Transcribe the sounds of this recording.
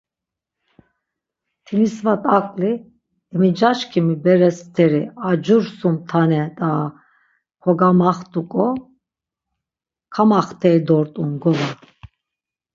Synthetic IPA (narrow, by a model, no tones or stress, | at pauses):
t̪ʰimisvat̪ʼakʼli | ɛmid͡ʒaʃkʰimibɛɾɛst̪ʰɛɾiad͡ʒuɾsumt̪ʰanɛd̪a | kʰɔɡamaχt̪ʼukʼɔ | kʰamaχt̪ʰɛid̪ɔɾt̪ʼunɡɔva